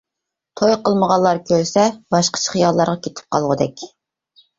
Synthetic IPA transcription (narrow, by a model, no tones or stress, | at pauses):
t̪ʰojqəlˠməʁɑlˠːɑɾkʲʰøɾsɛbɑʃqə̥t͡ʃʰə̥χijɑlˠːɑɾʁɑkʲʰet̪ʰɪ̥p̚qʰɑlˠʁəd̪ɛkʲ